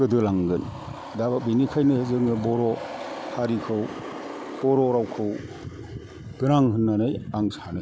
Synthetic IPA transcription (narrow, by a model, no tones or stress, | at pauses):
ɯdɯlaŋɡɯn | dabak̚binikʰajnɯzɯŋnɯbɔɾɔhaɾikʰɯw | b̥ɔɾɔɾawkʰɯw | ɡɯɾaŋɦɯnːanajaŋsanɯj